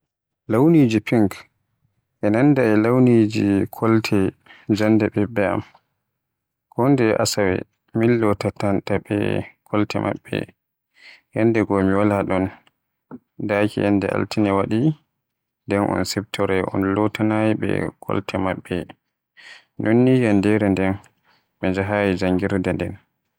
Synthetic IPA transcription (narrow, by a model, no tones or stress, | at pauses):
lawnid͡ʒipiŋk | ʔɛnandaɛlawnid͡ʒikʰɔltʰɛd͡ʒandɛɓɛbɛa̰m | kʰɔndɛʔa̰sawɛ̰ | milːɔtatantaɓɛ̰kʰɔltɛ̰mʔa̰ɓːɛ̰ | hɛndɛɡɔmiwalaɗɔn | dakḭʔɛndɛ̰ʔa̰ltʰinɛwaɗi | ndɛnʔɔ̰nsɛbtʰɔɾɛʔɔ̰nlɔtanajiɓɛ̰kʰɔ̰ltʰɛmaɓːɛ̰ | nʔonːijandɛɾɛndɛn | ɓɛnd͡ʒaɦaːjid͡ʒaŋɡiɾdɛndɛn